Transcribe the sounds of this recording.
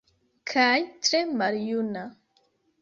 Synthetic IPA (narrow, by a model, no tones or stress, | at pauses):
kʰajtɾemaɾjuna